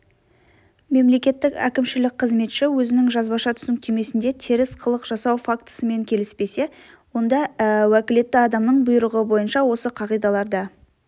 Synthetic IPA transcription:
me̞mle̞kʲe̞t̪ːɪkʲæ̰kʲɪmʃɪlɪk̚ʲqʰəzme̞t̪ʃɪwɵzɪnɪŋʒɑzbɑʃɑt̪ʰʏ̥zɪŋk̚t̪ʰe̞me̞sɪnd̪e̞t̪ʰeɾɪsqʰəlˠəqʒ̥ɑsɑwfakt̪ə̥səme̞ŋkʲʰe̞lɪspe̞se̞ | wo̞nd̪ɑwækʲɪle̞t̪ːɪɑd̪ɑmnəɴbʊjɾəʁəbo̞jənʃɑwo̞səqʰɑʁijd̪ɑlˠɑɾd̪ɑ

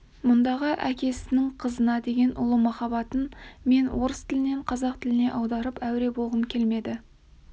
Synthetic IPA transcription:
mʊnd̪ɑʁəʔækʲe̞sɪnɪŋqʰəzənɑd̪e̞ɡʲe̞nʔʊ̰lˠəmɑχɑbɑt̪ənme̞nwo̞ɾəst̪ʰɪlɪne̞ɴqʰɑzɑq̚t̪ʰɪlɪne̞ʔɑwd̪ɑɾəpæwɾe̞bolˠʁəmkʲʰe̞lme̞d̪ɪ

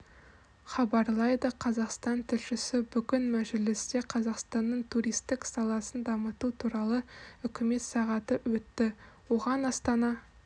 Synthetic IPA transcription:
χɑbɑɾlˠɑjd̪əqʰɑzɑqst̪ɑnt̪ʰɪlʃɪsɪbʏɡʲɪnmæʒɪlɪst̪e̞qʰɑzɑqst̪ɑnːəɴt̪ʰuɾijst̪ɪksɑlˠɑsənd̪ɑmət̪ut̪ʰuɾɑlˠəʏkʲɪme̞t̪sɑʁɑt̪əwɵt̪ːɪ | woʁɑnɑst̪ɑnɑ

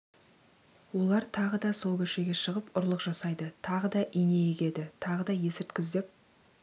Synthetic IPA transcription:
wo̞lˠɑɾt̪ʰɑʁəd̪ɑso̞lˠkʲʰɵʃe̞ɡʲe̞ʃəʁəpʊɾlˠəqʒ̥ɑsɑjd̪ət̪ʰɑʁəd̪ɑʔijne̞jekʲe̞d̪ɪt̪ʰɑʁəd̪ɑje̞sɪɾt̪kʲɪzd̪e̞p̚

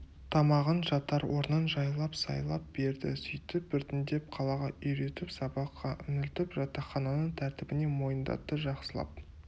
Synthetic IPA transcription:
t̪ʰɑmɑʁənʒɑt̪ɑɾwo̞ɾnənʒɑjlˠɑpsɑ̰jlˠɑp̚be̞ɾd̪ɪ̰sʏjt̪ɪp̚bʏɾt̪ɪnd̪e̞p̚qʰɑlˠɑʁɑʏjɾe̞t̪ɪpsɑbɑqːɑʔʏnɪlt̪ɪpʒɑt̪ɑχɑnɑnəɴt̪ʰæɾt̪ɪbɪne̞mo̞jənd̪ɑ̰t̪ːəʒɑqsəlˠɑ̰p̚

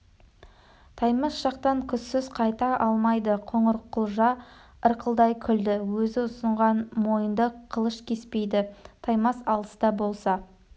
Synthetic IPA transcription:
t̪ʰɑjmɑsʒ̥ɑqt̪ɑŋkʲʰʏsːɪz̥qʰɑjt̪ɑʔɑlˠmɑjd̪əqʰoɴəɾqʰːʊlˠʒɑ | əɾqʰəlˠd̪ɑjkʲʰʏld̪ɪwɵzɪʊsəɴʁɑnmo̞jənd̪əqʰəlˠəʃkʲʰe̞spe̞jd̪ɪt̪ʰɑjmɑsɑlˠəsd̪ɑbo̞lˠsɑ

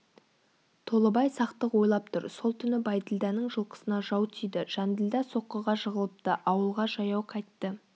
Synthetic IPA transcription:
t̪ʰo̞lˠəbɑjsɑqt̪əqwo̞jlˠɑp̚t̪ʰʊɾso̞lˠt̪ʰʏnɪbɑjd̪ɪlʲd̪ɑnəɴʒəlˠqə̥sənɑʒɑwt̪ʰijd̪ɪʒ̥ænd̪ɪld̪ɑso̞qːəʁɑʒəʁəlˠəp̚t̪əʔɑwəlˠʁɑʒɑjɑwqʰɑjt̪ːə

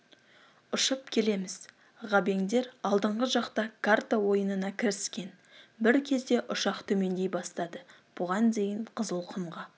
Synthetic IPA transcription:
ʊʃəp̚kʲʰe̞le̞mɪz | ʁɑbe̞ŋd̪e̞ɾɑlˠd̪əɴʁəʒɑqt̪ɑkʰart̪awo̞jənənɑkʲʰɪɾɪskʲe̞n | bɪɾkʲʰe̞zd̪e̞ʔʊʃɑqt̪ʰɵme̞nd̪e̞jbɑst̪ɑd̪ə | b̥ʊʁɑnd̪ejɪɴqʰəzəlˠqʰəmʁɑ

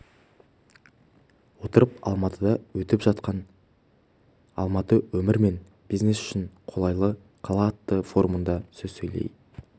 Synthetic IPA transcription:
wo̞t̪əɾəpɑ̰lˠmɑt̪ʰəd̪ɑwɵt̪ɪpʒɑt̪̚qɑn | ɑ̰lˠmɑt̪əwɵmɪɾme̞n | b̥izne̞sʏ̥ʃɪnqʰo̞lˠɑjlˠə | qʰɑlˠɑːt̪ːəfo̞ɾumənd̪ɑsɵzsɵjlḛj

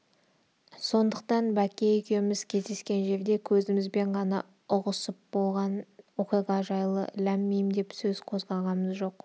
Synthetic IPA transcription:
so̞nd̪əq̚t̪ɑnbækʲe̞jʏkʲʰe̞mɪzkʲʰe̞zd̪e̞skʲe̞nʒe̞ɾd̪e̞kʲʰɵzɪmɪzbe̞ɴʁɑnɑ | ʊʁəsəp̚bo̞lˠʁɑnoqeʁɑʒɑjlˠə̰læmːejmd̪e̞psɵz̥qʰo̞zʁɑʁɑməzʒo̞q

